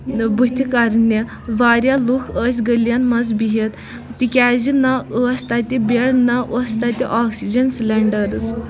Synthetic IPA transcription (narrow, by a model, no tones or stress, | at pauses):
but̪ʰʲikaɾnje | ʋaɾjalukʰəsʲɡəljanmazbiɦet̪ | t̪ikʲad͡ʑinaəst̪at̪ʲibeɽnaʔəst̪at̪ʲiʔɔksid͡ʑənslɛɳɖəɾt͡s